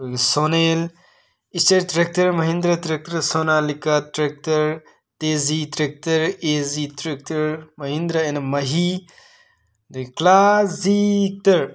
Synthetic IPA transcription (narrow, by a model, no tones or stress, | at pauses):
ɡsoːneːl | ist͡ʃɐɾt̪ɾɐk̚tɐɾmɐɦĩnd̪ɾɐt̪ɾɐk̚t̪ɐɾsoːnaːlikat̪ɾɐk̚tɐɾ | t̪eːzit̪ɾek̚tɐɾeːzit̪ɾek̚tɐɾmɐɦĩnd̪ɾɐenɐmɐɦi | d̪klaːsik̚t̪ɐɾ